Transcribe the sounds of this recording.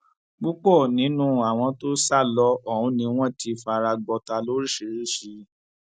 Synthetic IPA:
ɡ͡bu˦k͡pɔ˦˨nĩ˨˦nũ˦a˨w̃ɔ̃˧to˦sa˦˨lɔ˦ɔ˦˨hũ˨˧˦nĩ˧˦w̃ɔ̃˦˨ti˧fa˧ɾa˧ɡ͡bɔ˧ta˧lo˦ɾi˦˨ʃi˨ɾi˦ʃi˧

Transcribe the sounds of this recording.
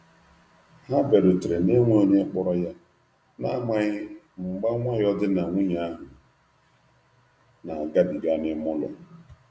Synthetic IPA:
ha˦be˨ɾʊ˨tɾe˨ne˦ŋʷo˦˨ni˦e˦k͡pɔ˦ɾɔ˦ja˦ | na˦ŋa˦ | ŋ͡m̩˨ɡ͡ba˦ŋʷa˦ɣɪ˦ɔ˦dɪ˦na˨ŋʷu˦ɲa˦a˦ɦʊ˨ | na˨ɡa˦di˨ɡa˦nɪ˦mʊ˦lɔ̰˨

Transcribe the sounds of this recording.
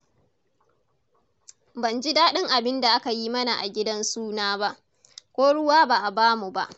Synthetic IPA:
bɐ˨nd͡ʒi˦daː˦ɗɪ˦ŋʔa˨bɪ˦nda˨ʔa˦ka˨jiː˦mɐ˦na˨ʔa̰˨ɡʲɪ˦dɐ˦nsuː˦naː˦ba˦ʔ | kʷoː˦ɽʊ˦waː˦baː˨ʔa˨baː˦mu˨ba˦ʔ

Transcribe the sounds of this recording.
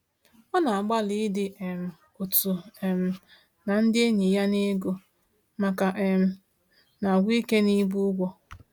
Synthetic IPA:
ɔ˦na˨a˨ɡ͡ba˦li˦dɪ˨ʔm̩˨ | o˨tu˨e˨m̩˨ | na˨n̩˦dɪ˦e˦ɲi˨ja˦ne˦ɡo˨ | ma˨ka˨ʔe˨m̩˦ | na˨ɡʷi˦ke˦ni˦bu˦ɡʷɔ˦

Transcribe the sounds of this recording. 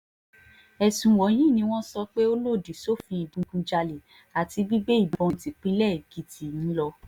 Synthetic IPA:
ɛ˨sũ˨wɔ˨˦j̃ĩ˦˨nĩ˧w̃ɔ̃˦sɔ˧k͡pe˦o˦lo˦˨di˨so˦fĩ˧i˨bũ˨˧ɡũ˨˧d͡ʒa˧le˨ | a˨ti˧bi˦be˦i˦˨bɔ̃˧˨˦ti˨k͡pi˦lɛ˦˨ɡi˨di˨n̩˦lɔ˧

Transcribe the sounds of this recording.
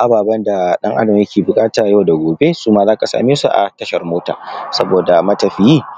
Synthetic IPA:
ʔa˨baː˨bɐ˦nda˨ɗɐ˦ŋʔa̰˦dɐ˨mjɐ˦kʲʰeː˨bʊ˨kʼaː˦taː˨jɐ˦wda˨ɡʷoː˨be˦suː˦ma˦zaː˦ka˨sa̰ː˨mi˦sṵ˦ʔa̰˨tɐ˦ʃɐ˨rmoː˦ta̰ː˨sɐ˦boː˨da˨mɐ˦tɐ˨ɸɪ˨jiː˦

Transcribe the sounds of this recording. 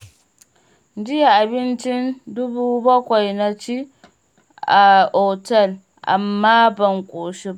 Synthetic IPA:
d͡ʒɪ˦ja˨ʔa˨bɪ˦nt͡ʃɪ˦ndʊ˦buː˦bɔ˦kʷa˨jna˦t͡ʃi˦ | ʔa˨ɔ˨tɐ˦˨l | ʔa̰˨mːaː˦bɐ˨ŋkʷʼoː˨ʃi˦ba˦

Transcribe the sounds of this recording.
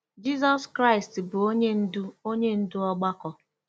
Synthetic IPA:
d͡ʒi˦zɔ˦skɾa˦ɪ˨stbʊ˨o˦ɲe˦n̩˦dʊ˦o˦ɲe˦n̩˦dʊ˦ɔ˦ɡ͡ba˦kɔ˦

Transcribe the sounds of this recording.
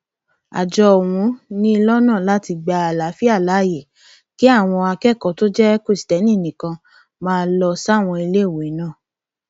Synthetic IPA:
a̰˨d͡ʒɔ˧ɔ˨wũ˨˧˦nĩ˦˧lɔ˦nãː˦˨la˨˦ti˧ɡ͡ba˧a˨la˨˦fi˦a˦˨la˨˦˨je˨ | ki˨˦a˦˨w̃ɔ̃˧a˧kɛ˦˨kɔ˨to˦d͡ʒɛ˦ko˦˨si̥˨tɛ˨˦nĩ˦˨nĩ˨kã˧ | mãː˦˧lɔ˧sa˦˨w̃ɔ̃˧i˧le˦˨wo˨˦i˨˦nã˦˨

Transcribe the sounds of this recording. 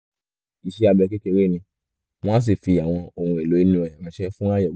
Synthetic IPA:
i˨ʃe˦a˧bɛ˧ke˦ke˧˨we˦˨nĩ˧ | m̃ɔ̃˦s̬i˦˨fi˧˨a˨w̃ɔ̃˧o˧˨ũ˧ɛ˨lo˨˦i˦nũ˧˦ɛ˨mã˨˦ʃɛ˦fũ˦a˦jɛ˦˨˦

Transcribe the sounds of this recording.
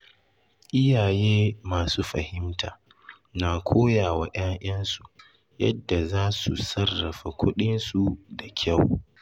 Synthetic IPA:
ʔɪ˦jaː˨jeː˦maː˨suː˦ɸɐ˨hɪ˦mtʰaː˨ | naː˨kʷʰoː˦jaː˨wa˨ʔaː˦ŋʔj̰ɐ˦nsu˨ | jɐ̰˦dːa˨zaː˦sṵ˨sɐ˦rːɐ˨ɸa˨kʷʰʊ˦ɗɪ˦nsu˨da˨kʲʰa˦˨w

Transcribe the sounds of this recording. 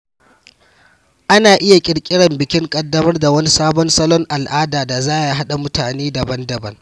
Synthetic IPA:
ʔa˦naː˨ʔɪ˦ja˨kʲʼɪ˨ɽkʲʼɪ˦ɽɐ˨mbɪ˨kʲɪ˦ŋkʼɐ˨dːɐ˦mɐ˦rda˨wɐ˦ni˦saː˦bɔ˦ni˦sɐ˦lɔ˦ŋʔa˨lʔaː˦daː˨da˨zaː˦ja˦ɦa˦ɗa˨mʊ˦taː˨neː˦dɐ˨bɐ˦ndɐ˨bɐ˦ŋ

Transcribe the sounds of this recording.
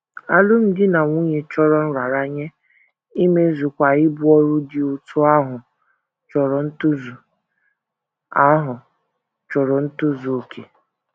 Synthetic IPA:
a̰˦lʊ˦m̩˦dɪ˦na˨ŋʷu˦ɲe˨t͡ʃɔ˦ɾɔ˦n̩˦ɾa˨ɾa˦ɲe˦ | i˦me˦zu˨kʷa˨ɪ˦bʊ˦ɔ˦ɾʊ˦dɪ˨ʊ˨tʰʊ˦a˦ɦʊ˨ | t͡ʃɔ˨ɾɔ˨n̩˦tʊ˦zu˨ | a˦ɦʊ˨ | t͡ʃɔ˨ɾɔ˨n̩˦tʊ˦zu˨o˨kʰḛ˨

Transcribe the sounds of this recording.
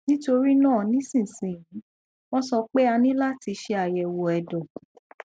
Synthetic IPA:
nĩ˦to˧ɾi˦nãː˦˨nĩ˨˦sĩ˦˨sĩ˨j̃ĩ˨˦ | w̃ɔ̃˦sɔ˧k͡pe˦a˧nĩ˦la˦ti˧ʃe˧a˨jɛ˨wɔ˨ɛ˨dɔ˨

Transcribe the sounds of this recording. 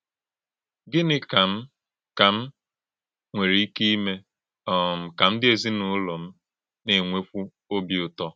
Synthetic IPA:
ɡɪ˦nɪ˦ka˨m̩˦ | ka˨m̩˦ | ŋʷe˨ɾi˨i˦ki˦i˦me˦ | ɔ˨m̩˨ka˨m̩˦dɪ˦e˨zi˦nʊ˨˦lɔ˨m̩˦ | ne˨ŋʷe˦kʷu˦ | o˦bi˨ʊ˨tɔ˦

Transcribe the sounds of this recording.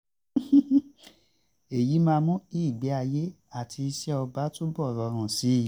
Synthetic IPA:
e˨ji˨˦mãː˧mũ˦i˦˨ɡ͡bɛ˨˦a˧je˦ | a˦˨tʰi˧i˧ʃɛ˦ɔ˧ba˦tũ˦bɔ˦˨ɾɔ˧ɾ̃ã˨si˨˦˨

